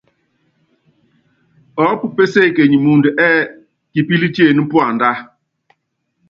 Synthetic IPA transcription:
ɔ˨˦pu˨pe˦se˦˨ke˨ɲi˨mu˨ndu˨ʔɛː˦ | ki˨pi˦li˦t͡ʃi˦e˦˨ni˦m̩˦pu˦a˨nda˦

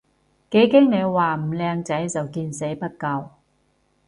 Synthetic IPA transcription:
ke˨˥jkɪ˥ŋne˨˧jwaː˨m̩˨˩lɛː˧ŋt͡sɐ˨˥jt͡sɐ˨wkiː˧nse˨˥jpɐ˥t̚kɐ˧w

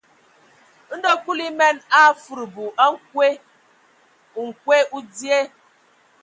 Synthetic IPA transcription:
n̩˦do˦ku˦li˦me˦na˦fu˨ɾbu˨ʔa˦ŋ̩˦kʷe˦˨ | ŋ̩˨kʷe˦ʔu˦di˦e˦

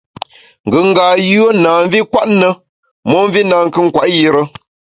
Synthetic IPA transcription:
ŋ̩˨ɡɨ˨ŋ̩˦ɡaː˨jo˦naː˨m˦vi˦kwa˦ʔnə˦ | mɔ˦m˦vi˦na˨ŋ˦kɨ˦ŋ̩˦˨kwa˨ʔji˦ɾə˦

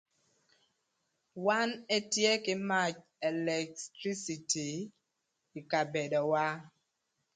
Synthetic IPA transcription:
wa˦nɛ˦tjɛ˦ki˦ma˦˨t͡ʃ | ɛ˨lɛ˨ktɾi˦si˨ti˨ | i˨ka˨bɛ˨dɔ˨wa˦

